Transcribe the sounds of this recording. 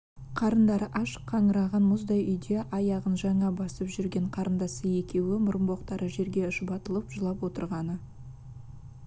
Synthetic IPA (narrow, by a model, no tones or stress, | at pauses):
qʰɑɾənd̪ɑɾəʔɑʃqʰːɑŋəɾɑʁɑnmʊzd̪ɑjʔʏjd̪e̞ʔɑjɑʁənʒɑɴɑbɑsəpʒʏɾɡʲe̞ɴqʰɑɾənd̪ɑsəje̞kʲe̞wɪmʊɾəmbo̞qt̪ɑɾʔəʒe̞ɾɡʲe̞ɪʃʊbɑt̪əlˠəpʒ̥əlˠɑpwo̞t̪əɾʁɑnə